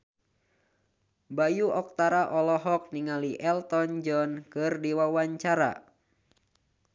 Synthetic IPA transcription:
bajuɔk̚t̪aɾaʔɔlɔɦɔk̚niŋaliʔɛlt̪ɔnd͡ʒɔnkɨrdiwawaɲt͡ʃaɾa̰

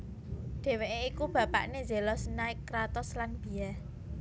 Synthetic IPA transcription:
d̪̥e̤weʔeikub̥ä̤pa̰ʔneze̤lɔsənaɪkːɾat̪ɔslanb̥i̤ja

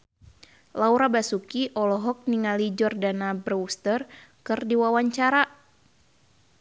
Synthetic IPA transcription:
lauɾabasukiʔɔlɔɦɔk̚niŋalid͡ʒɔrdanabrust̪ərkɨrdiwawaɲt͡ʃaɾa

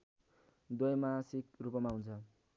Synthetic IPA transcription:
d̪ojmasikrupʌmaɦunt͡sʰʌ

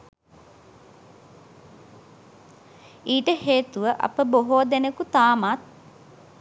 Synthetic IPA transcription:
iːʈəheːt̪uʋəʔɐ̰pəboɦoːd̪enəkut̪aːmat̪̚

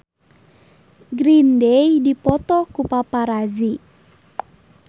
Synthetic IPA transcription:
ɡɾindejdipɔt̪ɔkupapaɾazi

